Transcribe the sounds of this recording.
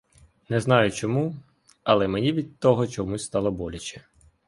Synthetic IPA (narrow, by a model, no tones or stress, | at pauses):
nɛznɑjʊt͡ʃɔmu | ɐlˠɛmenʲiʋʲid̪̚t̪ɔɦɔt͡ʃɔmusʲst̪ɑlˠɔbɔlʲɐt͡ʃɛ̥